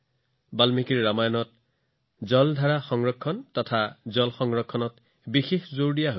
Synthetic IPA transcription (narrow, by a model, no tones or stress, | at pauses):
balmikiɹːamajɔnɔt̚ | zɔldʱaɹaxɔŋɹɔkʰːɔntɔtʰazɔlxɔŋɹɔkʰːɔnɔt | bixexzoɹdijaɦo